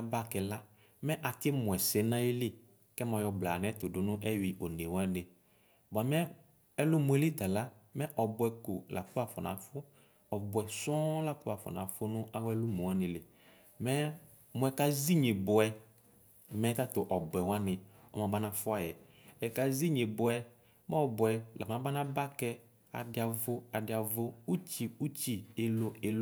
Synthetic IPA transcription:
a˨˦ba˦kɛ˨la˦ | mɛ˦ʔa˨tɪ˦mʊ˨ɛ˨sɛ˨˦nã˦ji˦lɪ˦ | kɛ˦ma˨jɔ˨bla˨n˨ɛ˦tʊ˨dʊ˨nʊ̃˦ʔɛ˦wi˨ʔo˨ne˨wa˦nɪ˨ | ba˨mɛ˦ | ɛ˦lʊ˦mʊ˨ɛ˨lɪ˦d̪a˨la˦mɛ˦ʔɔ˨bʊ˦ɛ˨ko˨lʔa̰˨kʊ˦a˨fɔ˨na̰˨fʊ˦ | ɔ˨bʊ˨ɛ˨sɔ˦la˦kʊ˦a˨fɔ̰˨na̰˨fʊ˦nʊ˦ʔa˦wɛ˦lʊ˦mu˨a˦nɪ˨lɪ˨ | mɛ˦ | mʊ˨ɛ˨ka˦zi˦ɲɪ˨bʊ˨ɛ˨ | mɛ˨˦ta˦tʊ˨ʔɔ˨bʊ˨ɛ˨wa˦nɪ˨ɔ˦˨mã˨ba˦nã˨fʊ˦a˨jɛ˨ | ɛ˨ka˨zi˦ɲe˨bʊ˨ɛ˨ | mɛ˦ɔ˨bʊ˨ɛ˨la̰˨m˨ã˨˦ba˦nã˦ba˦kɛ˦ | a̰˨dɪ˦a˨vʊ˦a˨dɪ˦a˨vʊ˦u˦t͡ʃi˨u˦t͡ʃi˨ɪ˨lʊ˨e˨l

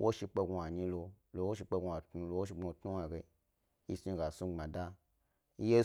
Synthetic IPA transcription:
wʔo˦ʃi˧k͡pe˧ɡa˨ɲĩ˧lo˧lo˧wo˦ʃ̬i˧k͡pe˧ɡʷa˨tnu˧lo˧wo˦ʃ̬i˧ɡ͡bo˧tnu˦wa˨ɡe˧ | i˦si˧ɡa˨su˧ŋ͡mã˨da˦˧ | i˦je˦

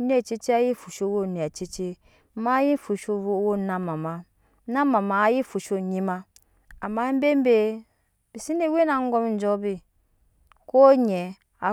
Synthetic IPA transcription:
n˦e˦˨t͡ʃi˦t͡ʃi˦a˦ji˦fu˨ʃo˦wo˦˨ne˨a˨t͡ʃi˦t͡ʃe˦ | ma˦ji˦fu˨ʃo˦o˦wo˦na˦ma˨ma˨ | na˦ma˨ma˨˦ji˦fu˨ʃo˦ɲi˦ma˦ | a˨mːa˦m̩˦be˦m̩˦be˦ | bi˨si˦ne˦we˦na˨ŋ˦ɡo˦m˨n̩˦d͡ʒɔ˦bi˦ | ko˦ɲɛ˨ | a̰˨

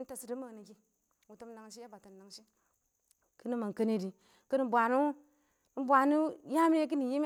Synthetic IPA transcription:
n̩˦ta˨si˨di˦ma˨ni˨ki˨ | wu˨tə˦m˦na˨ŋ˨ʃi˦ja˦ba˨ta˨nna˨ŋʃi˦ | kɨ˦ni˦ma˨ŋ˨kə˦ni˦di˨ | kɨ˦ni˨˦bʷa˨nu˦ | bʷa˨nu˦ja˦mi˦k̬i˦ni˨ji˦m˦

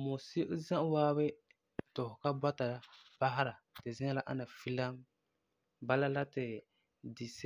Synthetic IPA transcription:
mo˨si˦ʔzã˦ʔwaː˦bɪ˦ | tʊ˨hʊ˨ka˦ba˦ta˨la˨b̥a˦ɦa˦ɾa˨tɪ˨zɪ̃˦ŋa˦la˦ʔa̰˦na˨fi˦la˦m | ba˦la˦la˦tɪ˨ | di˨s

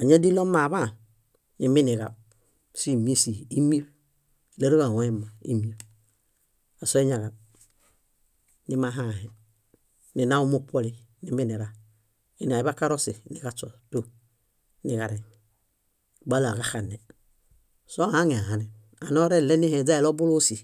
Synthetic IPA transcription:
a˨ɲa˦di˦lo˦ma˨βa˦˨ | ni˨mi˦ni˨ɣa˨ | si˦˨mi˦si˨i˦mi˦˨ | le˦ɾo˦ɣa˨wɛ˦ma˨ḭ˦mi˦o˨ | a˨so˦i˦ɲa˨ɣa˨ | ni˦ma˦ɦa˦˨hɛ˨ | ni˨na˦u˦mu˦po˦li˦ni˨mi˦ni˨ɾa˨ | i˨n˨a˨i˨βa˦ka˦ɾo˦si˨ni˨ɡa˦t͡ʃɔ˨to˦ | ni˨ɣa˨ɾɛ˨n˨ | ba˦la˨ɡa˦xa˨ne˨ | so˦˨ha˦ŋe˨a˨ha˨nɛ˨ | a˨no˦ɾe˦˨le˦ni˦hɛ˨d͡za˦i˨lo˦bu˦lo˦si˨

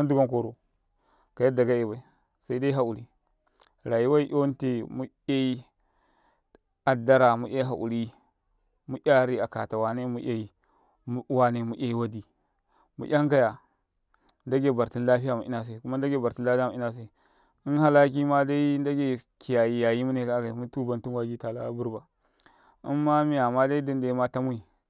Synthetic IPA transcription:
a˦du˦ɡa˦ŋko˨ɾo˨ | ka˨ja˦da˨ɡa˦e˨ba˨i˨ | sa˦i˦da˦i˦ɦa˦u˨ɾi˨ | ɾa˨ji˦wa˦i˦ʔo˦n˦te˨mu˦ | a˦i˦ | a˨da˦ɾa˨mu˦ʔa˦ɦa̰˨ʔṵ˨ɾi˦ | mu˦ʔʲa˦ɾi˦a˨ka˨ta˨wa˨ne˦mu˦ʔʲa˦i˨˦ | wa˦ne˨mu˨ʔa˦i˦wa˦di˨ | mṵ˨ʔʲa˦ŋɡa˦ja˨ | nda˦ɡe˦˨ba˨ɾti˦n˦la˦ɸi˦ja˨mu˨ḭ˦na˦s̬e˨ku˦ma˦n˦da˦ɡe˦˨ba˨ɾi˦n˦la˦ɸa˦˨mu˨i˦na˦s̬e˨ | i˦nha˦la˦k̬i˦ma˦da˦i˦n˦da˦ɡe˨ki˨ja˨ji˨ja˨ji˦mu˦ne˨ka˦ɡa˨mu˦tu˦ba˨ntu˦nwa˦ɡi˦ta˨la̰˦bu˦ɾba˨ | a˦mːa˦mi˦a˨ma˦da˦i˦di˦nda˨i˦ma˦ta˦mu˦i˨

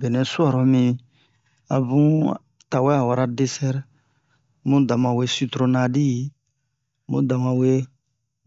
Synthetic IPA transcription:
be˨nɛ̃˨swa˦˨ɾɔ˨mĩ˧ | a̰˨bũ˦ | ta˨wɛ˦a˨wa˨ɾa˦de˦sɛ˦ɾ | mũ˦da˨mã˨we˧si˦t̪ɾo˦na˦di˦ji˨ | mṵ̃˦da˨mã˨we˦

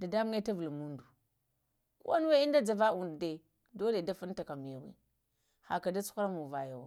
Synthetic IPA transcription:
da˨da˦mu˦ŋa˦ta˦vu˨lmu˦ndu˨ | kṵ˦wa˦n˦we˦i˦n˦da˦d͡ʒa˨va˦u˨ndde˨ | do˦le˨da˦fu˦n˦ta˨ka˨mi˨ja˨wḭ˦ | ha̰˨ka˨da˦t͡su̥˦xu˦ɾa˦mu˨va˨ja˨wa˨

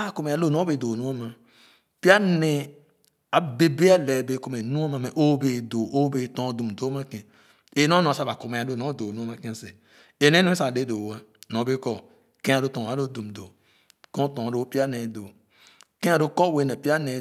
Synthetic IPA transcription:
a˦˨ko˨me˨a˨˦lo˦˨no˦be˨do˨nu˦a˦ma˨ | pi˦a˦ne˨ | a˨be˨be˦a˦˨le˨be˨˦ko˦me˨nũ˦a˦ma˨me˨ʔo˦be˨do˨ʔo˦be˨˦tõ˦˨du˨m˨do˦ma˦kẽ˨ | e˨˦no˦nõ˨sa˦ba˨ko˨me˨a˨lo˦˨o˦do˨nu˦mã˦˨kẽ˦˨se˨ | e˨ne˦nũ˦e˦sa˨de˦do˨a˦˨nõ˨˦be˦kɔ˨ | kẽ˦a˨ɾo˦tõ˨a˨˦lo˦du˨m˨do˨ | kõ˦tõ˨a˨ɾo˨˦pi˦a˦ne˨do˨ | kẽ˦a˨ɾo˦ko˦˨we˦ne˨pi˦a˦ne˨

